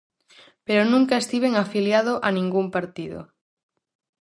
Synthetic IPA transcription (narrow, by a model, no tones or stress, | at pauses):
peɾonũŋkaest̪iβeŋafiljað̞oʔanĩŋɡumpaɾt̪iðo̰ʊ̰